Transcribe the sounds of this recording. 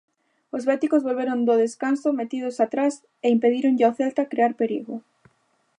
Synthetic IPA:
ozβɛt̪ikozβolβeɾond̪oðeskansomet̪ið̞ʊsat̪ɾas | eimpeðiɾoŋʎoθɛlt̪akɾeaɾpeɾiɣʊ

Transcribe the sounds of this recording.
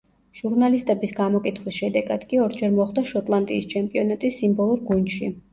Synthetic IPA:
ʒ̥uɾnalist̪ʼɛbisɡamɔkʼit̪ʰχwisʃɛd̪ɛɡad̪̥kʼiɔɾd͡ʒɛɾmɔχd̪aʃɔt̪ʼlˠant̪ʼḭːst͡ʃʰɛmpʼiɔnat̪ʼisːimbɔlˠuɾɡund̪ʃi

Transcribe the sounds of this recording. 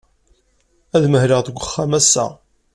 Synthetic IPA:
æðməhɾiʁðəɡʷːəχːæmæsːæ̰

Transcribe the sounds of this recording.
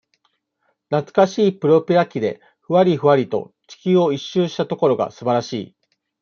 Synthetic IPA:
nat͡sɨ̥kaɕiːpɯ̟ɾo̞pʲiɾakʲid̪e̞̰ | ɸɯ̟βaɾʲiɸɯ̟βaɾʲit̪o̞̰t͡ɕi̥kʲɨːo̞iɕːɨːɕi̥t̪at̪o̞ko̞ɾo̞ɡa̰sɨbaɾaɕḭː

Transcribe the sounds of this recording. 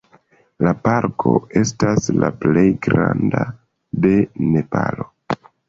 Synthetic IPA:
lapaɾkʰo̞e̞staslaple̞jɡɾanda | de̞ne̞palo̞

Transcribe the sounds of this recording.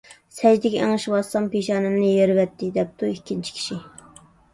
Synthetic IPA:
sɛd͡ʒd̪ɪkʲɛɛŋɨʃwɑsɑmpeʃɑːnɨmnɨjeɾvɛt̪ʰːɪd̪ɛp̚t̪ʰuikʲʰːint͡ʃʰi̥kʲʰi̥ʃi

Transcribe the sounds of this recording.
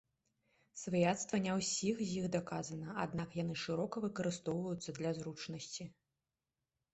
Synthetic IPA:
svɐjat̪st̪vɐnʲawsʲixzʲjixd̪akazɐnɐad̪nakjanɨʂɨɾɔkɐvɨkɐɾɨst̪ɔwvɐjut̪sːɐd̪lʲɐzɾut͡ʂnɐsʲt͡sʲi

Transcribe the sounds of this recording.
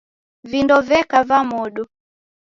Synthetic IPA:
vindɔvɛkavamɔɗu

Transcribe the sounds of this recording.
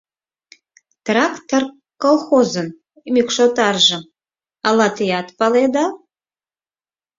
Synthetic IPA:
t̪rakt̪ʰːar | kːolˠxozɨn | mikʷʂot̪ʼarʒə | alat̪ʰejat̪paled̪a

